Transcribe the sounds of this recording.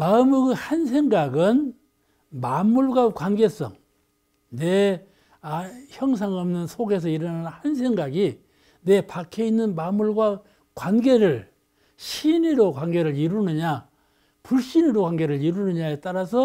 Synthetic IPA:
maɯmɯɡɯhans̬ʰe̞ŋɡaɡɯn | mamːuɭɡwakwanɡe̞s͈ʌ̰ŋ | ne | açjʌŋs̬ʰaŋʌmnɯnsʰoɡe̞s̬ʰʌiɾʌnnhansʰe̞ŋɡaɡi | ne̞pakʰeinːɯnmamːuɭɡwa | kwanɡe̞ɾɯɭ | ɕʰiniɾokwanɡe̞ɾɯɭiɾunɯɲa | puɭɕ͈iniɾokwanɡe̞ɾɯɭiɾunɯɲaet͈aɾasʰʌ

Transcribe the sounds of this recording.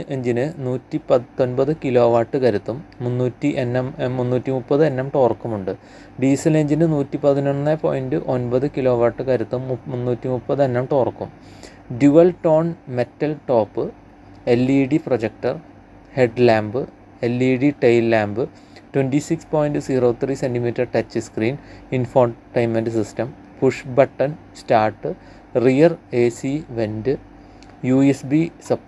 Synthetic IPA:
ʔe̞ɲd͡ʑinɨnuːtːipɐːo̞nbɐðɨkilo̞ːʋaːʈːɨkɐɾut̪ːumːunːuːtːiʔenːɐmːunːuːtːimupːɐðɨe̞nːɐmʈoːrkːumuɳɖɨ | ɖiːsɐle̞ɲd͡ʑinɨnuːtːipɐðinonnːɐpo̰ːjindɨʔo̞nbɐðɨkilo̞ːʋaːʈːɨkɐɾut̪ːummunːuːtːimupːɐðɨenːɐmʈoːrkːum | ɖjuʋɐlʈo̞ːɳme̞tːɐlʈo̞ːpːɨ | elːiːɽiprod͡ʑek̚ʈɐr | heɖlaːmbɨ | elːiːɽiʈejlːaːmbɨ | twendisikspoːjnɖɨsiːroːt̪ʰriːsendimiːtːɐrʈɐt͡ɕːɨskriːninfoːʈɐjmɐndɨsistɐm | puʂbɐʈːɐn | staːrʈːɨ | rijɐreːsiʋendɨ | juesbisɐ

